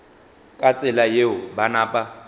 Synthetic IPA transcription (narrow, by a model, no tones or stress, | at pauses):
kʼat͡sʼɪlajeʊbanaːpʼa